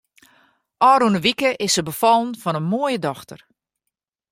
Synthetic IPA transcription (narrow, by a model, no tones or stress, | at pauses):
ʔɔːɾunəʋikəʔɪsəbəfɔlˠnfɔnənmoəjədɔxtər